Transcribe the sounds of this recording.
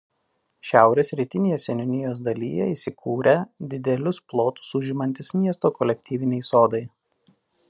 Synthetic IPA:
ʃʲæˑʊɾʲeːsɾʲiːt̪ʲɪnʲeːjɛsʲɛnʲʊnʲɪjoːs̬d̪ɐlʲḭːjɛ̰iːˑsʲɪkʰuːɾʲɛd̪ʲɪd̪ʲɛlʲʊsplˠoːt̪ʊ̥sʊʒʲɪmɐnʲt̪ʲɪsmʲiɛst̪oːkɔlʲɛk̚ʲt̪ʲiːʋʲɪnʲɛɪsoːd̪ɐɪ

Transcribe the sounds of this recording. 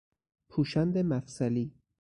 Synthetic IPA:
pʰuːʃænd̪emæfsæliː

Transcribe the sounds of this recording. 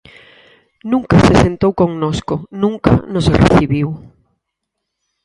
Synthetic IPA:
nũŋkasesent̪owkoŋnoskonũŋka̰noserḛθiβiw

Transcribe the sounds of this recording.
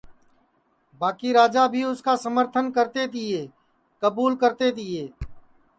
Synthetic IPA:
baːkiɾaːd͡ʒabʱiʊskasəməɾt̪ʰənkəɾt̪ed̪ɪeː | kəbuːlkəɾt̪ed̪ɪeː

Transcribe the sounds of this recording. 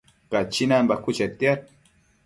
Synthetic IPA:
kat͡ʃinambakut͡ʃat̪jaɾ

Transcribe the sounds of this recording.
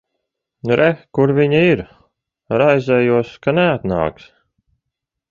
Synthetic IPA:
nuɾʔɛkuɾviɲaiɾ | ɾajzʲɛjuɔskanɛat̪na̰ːks

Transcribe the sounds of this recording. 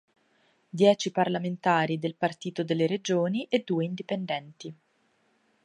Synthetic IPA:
d̪jɛːt͡ʃiparlament̪aːɾid̪elpart̪iːt̪od̪elːeɾed͡ʒoːniʔed̪ːuːeind̪ipend̪ɛnt̪i

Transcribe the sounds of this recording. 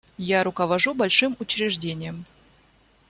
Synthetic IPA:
jaɾʊkəvɐʐubɐlʲʂɨmʊt͡ɕɾʲɪʐdʲenʲɪjəm

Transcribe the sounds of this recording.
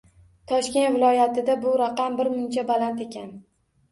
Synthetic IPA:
t̪ʰɒʃkʲe̞nt̪vɪlˠɒjat̪ʰɪd̪abʊɾaqɑmbɪɾmʊnt͡ʃʰabalant̪e̞kʲʰan

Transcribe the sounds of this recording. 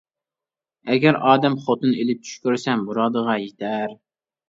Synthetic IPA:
ɛɡʲæɾɑːd̪ɛmχot̪ɨnelɪp̚t͡ʃʰy̥ʃkʲøɾsɛmbuɾɑd̪əʁɑjet̪ʰæɾ

